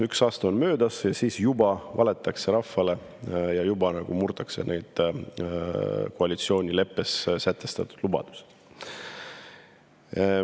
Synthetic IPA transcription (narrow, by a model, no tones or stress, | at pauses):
yksɑːst̪ɑonmø̞ːd̪ɑsjɑsiːsjubɑvɑ̰le̞t̪ˑːɑkse̞ɾɑfːɑle̞ | jɑjubɑnɑɡ̥umurt̪ɑkse̞̰nʔe̞jd̪̥ | koɑlit̪sio̞ːnʲile̞pːe̞ssæt̪ːˑe̞st̪ɑt̪ːˑud̪̥lubɑ̰d̪̥u̥se̥d̪̥